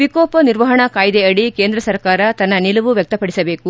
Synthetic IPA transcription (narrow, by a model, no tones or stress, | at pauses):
ʋikoːpɐniɾʋɐɦɐɳɐkaːjd̪eɐɽikeːnd̪ɾɐsɐɾkaːɾɐt̪ɐnːɐnilɐʋuʋjɐk̚t̪ɐpɐɽisɐbeːku